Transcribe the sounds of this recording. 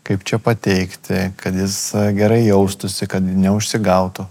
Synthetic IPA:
kɐɪpt͡ʃʲɛpɐt̪ʲɛɪkt̪ʲɪkɐt̪jɪsɡʲɛɾɐɪjɛʊst̪ʊsʲɪkɐt̪nʲɛʊʃʲsʲɪɡɐʊt̪ʊ

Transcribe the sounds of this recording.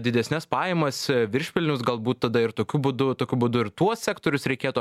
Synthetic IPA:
d̪ʲɪd̪ʲɛsʲnʲɛspɑːjɛmɐsʋʲɪɾʲʃʲpʲɪlʲnʲʊsɡɐlˠbuːt̪tːɐd̪ɐɪrt̪oːkʲʊbʊd̪ʊt̪oːkʲʊbʊd̪ʊɪɾt̪uɔsʲsʲæːkt̪oːɾʲʊsɾʲɛɪkʲeːt̪u

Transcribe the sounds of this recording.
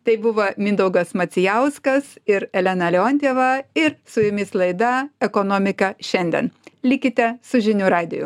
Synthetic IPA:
t̪ɐɪbʊʋɐːmʲɪnd̪ɐʊɡɐsmɐt͡ssʲɪjɛʊskɐsɪɾɛlʲɛnɐlʲɛoːnʲt̪ʲeːʋɐɪɾsʊjʊmʲɪslˠɐɪd̪ɐɛkoːnoːmʲɪkɐʃʲɛnʲd̪ʲɛ̰nlʲɪkʲɪt̪ʲɛsʊʒʲɪnʲuːɾɑːd̪ʲɪjʊ̰

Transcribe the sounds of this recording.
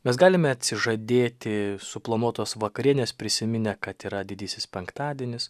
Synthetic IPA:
mʲɛsɡɑːlʲɪmʲɛɐt̪ʲsʲɪʒɐd̪ʲeːt̪ʲɪsʊplˠomoːt̪oːsʋɐkɐɾʲiɛnʲeːspʲɾʲɪsʲɪmʲɪnʲɛkɐt̪iːɾɐd̪ʲɪd̪ʲiːsʲɪspʲɛŋkt̪ɑːd̪ʲiɛnʲɪs

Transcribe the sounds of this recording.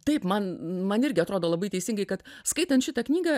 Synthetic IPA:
t̪ɐɪpmɐnmɐnɪɾʲɡʲɪɐt̪ɾoːd̪oːlˠɐbɐɪt̪ʲɛɪsʲɪŋɡɐɪkɐt̪skɐɪt̪ɐnt̪ʃʲɪt̪ɐknʲiːɡɐ

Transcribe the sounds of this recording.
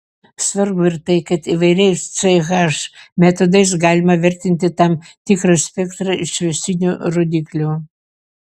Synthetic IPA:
sʋɐɾbʊɪɾt̪ɐɪkɐt̪iʋɐɪɾʲɛɪst͡sɐɪɣɑʃmʲɛt̪ɔd̪ɐɪs̬ɡɑːlʲɪmɐʋʲɛɾʲt̪ʲɪnʲt̪ʲɪt̪ɐmt̪ʲɪkɾɐsʲpʲɛkt̪ɾɐɪʃʲʋʲɛsʲɪnʲuɾod̪ʲiklʲu

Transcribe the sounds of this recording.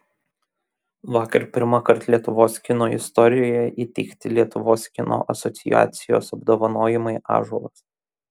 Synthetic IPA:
ʋɑːkɐɾpʲɪɾmɑkɐɾt̪lʲiɛt̪ʊʋoːskʲɪnoːɪ̰st̪ɔɾʲɪjoːjɛʔiːt̪ʲɛɪkt̪ʲɪlʲiɛt̪ʊʋoːskʲɪno̰ːʔɐsɔt̪sʲɪja̰ːt̪sʲɪjo̰ːsɐbd̪oːʋɐnoːjɪmɐɪʔɑ̰ːʒɔlˠɐs

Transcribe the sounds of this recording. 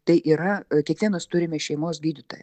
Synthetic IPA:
t̪ɐɪʔiːɾɐkʲiɛkʋʲiɛnost̪ʊɾʲɪmʲɛʃʲɛɪmoːsɡʲiːd̪ʲɪt̪oːjɛ

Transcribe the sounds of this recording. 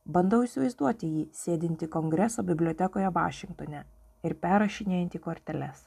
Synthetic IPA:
bɐnd̪ɐʊɪsʲɪʋɐɪzd̪uɔt̪ʲɪjiːsʲeːd̪ʲɪnʲt̪ʲɪkɔŋʲɡɾʲɛsoːbʲɪbʲlʲoːt̪ʲɛkoːjɛʋɑ̰ːʃʲɪŋk̚t̪oːnʲɛ | ɪɾpʲæːɾɐʃʲɪnʲeːjɛnt̪ʲiːkoːɾʲt̪ʲɛlʲɛs

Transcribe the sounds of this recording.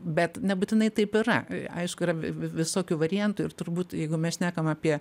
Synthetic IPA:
bʲɛt̪nʲɛbʊt̪ʲɪnɐɪt̪ɐɪpɪɾɐ̰ɐ̰ɪʃkʊɪɾɐʋʲʋʲɪsoːkʲuːʋɐɾʲɪjɛnt̪uːɪɾt̪ʊɾbuːt̪jɛɪɡʊmʲɛsʃʲnʲæːkɐmɑːpʲiɛ

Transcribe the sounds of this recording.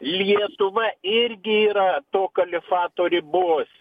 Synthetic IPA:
lʲiɛt̪ʊʋɐɪrʲɡʲɪiːɾɐt̪oːkɐlʲɪfɑːt̪oːɾʲɪbʊʋoːsʲ

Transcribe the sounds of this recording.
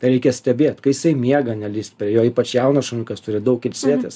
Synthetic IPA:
t̪ɐɪɾʲɛɪkʲɛsʲt̪ʲɛbʲeːt̪kɐɪjɪsɐɪmʲiɛɡɐnʲɛlʲiːsʲt̪ʲpʲɾʲiɛjoːiːpɐt͡ʃʲjɛʊnɐʃɐnʲʊkɐst̪ʊɾʲɪd̪ɐʊkɪlʲsʲiɛt̪ʲes

